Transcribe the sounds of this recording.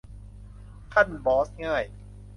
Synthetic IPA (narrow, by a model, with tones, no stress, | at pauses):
kʰa˥˩nbɔː˩˦˥sŋaː˥˩j